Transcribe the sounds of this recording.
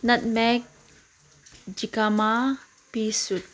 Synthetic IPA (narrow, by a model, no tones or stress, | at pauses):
nat̪̚mɛk̚ | d͡ʒikama | pisut̪̚